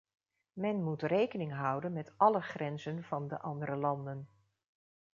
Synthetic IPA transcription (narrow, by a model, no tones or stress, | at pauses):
mɛnmutrejkənɪŋɦɑwdənmɛtʔɑləχrɛnzənv̥ɑndə̰ʔɑndəɾəlɑndən